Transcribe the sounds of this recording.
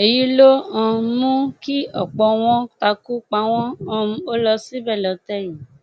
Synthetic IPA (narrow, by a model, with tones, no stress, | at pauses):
e˨ji˦lo˦ã˧mũ˦ki˦ɔ˦˨k͡pɔ˧w̃ɔ̃˦ta˧ku˦k͡pa˧˦w̃ɔ̃˦ɔ̃˧˦o˦lɔ˧si˦bɛ˦˨lɔ˨˧˦tɛ˦˨ji˨